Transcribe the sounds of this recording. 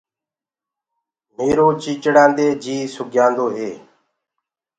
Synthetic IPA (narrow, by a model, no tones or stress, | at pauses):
meːɾoːt͡ʃiːt͡ʃɽãːnd̪eːd͡ʒiːsʊɡʱjãːnd̪oːɦeː